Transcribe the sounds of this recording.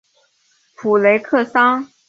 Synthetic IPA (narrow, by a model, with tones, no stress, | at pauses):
pʰu˨˩le˧˥ɪkʰɤ˥˩sɑ˥ŋ